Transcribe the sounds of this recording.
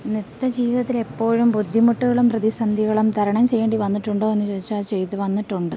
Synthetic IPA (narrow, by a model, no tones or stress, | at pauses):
nit̪ːɐd͡ʑiːʋiðɐt̪̬ːile̞pːo̞ːɻumbud̪ʱːimuʈːuɣɐɭumprɐðisɐnd̪ʱiɣɐɭumt̪ʰɐɾɐɳɐmt͡ɕe̞jːeːɳɖiʋɐnːiʈːuɳɖoːenːut͡ɕoːit͡ɕːaːt͡ɕe̞jt̪ːuʋɐnːiʈːuɳɖɨ